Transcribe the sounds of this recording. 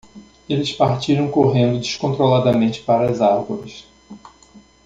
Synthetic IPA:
elɪspaɾt͡ʃiɾɐ̃w̃koɦẽnd̪ʊd͡ʒiʃkõnt̪ɾolad̪ɐmẽnt͡ʃɪ̥paɾɐɐzaɾɡoɾɪs

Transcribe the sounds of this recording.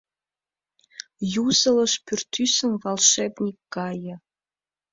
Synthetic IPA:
juzɤ̆lə̆ʃpyrt̪ysə̆mvɑlʃebnʲikːɑjɤ̆

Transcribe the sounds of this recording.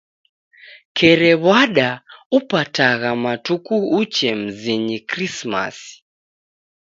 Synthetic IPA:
kʰɛɾɛβwaɗaupataɣamatukuːt͡ʃɛm̩ziɲikɾisma̰si̥

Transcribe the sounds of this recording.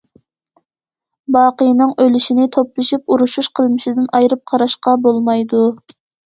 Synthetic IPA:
bɑːqəjnɨŋølyʃinɪt̪ʰoplˠɨʃip̚uɾuʃuʃqʰəlˠmɪʃɪd̪ɪnʔɑjɾɨp̚qʰɑɾɑʃqɑbolˠmɑjd̪u

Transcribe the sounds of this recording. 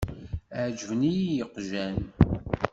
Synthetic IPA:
ʕd͡ʒvənijjəqʒæn

